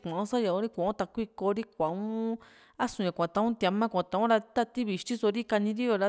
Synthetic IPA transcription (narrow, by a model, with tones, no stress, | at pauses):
kʷã˨õ˧˦sa˦ja˧˨õ˧ɾi˦kʷã˨õ˦t̪a˧kʷi˦˧ko˧ɾi˦kʷã˨ũ˦ | a˦sũ˨jã˨kʷã˨t̪a˧ũ˦t̪ja˧mã˦kʷã˨t̪a˧ũ˦ɾa˧t̪a˦˧t̪i˦βi˧˨ʃt̪i˦so˧ɾi˦ka˧nĩ˧ɾi˦jo˧ɾa˧